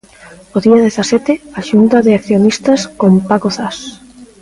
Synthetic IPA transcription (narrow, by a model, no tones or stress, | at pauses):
oðiaðeθasɛt̪eaʃunt̪aðeakθjonist̪askompakoθas